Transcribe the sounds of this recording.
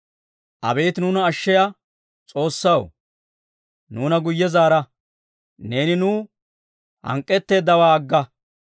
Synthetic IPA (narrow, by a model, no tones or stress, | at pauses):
ʔɐ̰be̞ːt̪nuːnɐːʃːɛjɐ | t͡sʼo̞ːsːɐw | nuːnɐɡʊjːɛzaːɾɐ | ne̞ːnɪnuː | hɐ̰ŋkʼːɛt̪ːe̞ːd̪ːɐwaːɡːɐ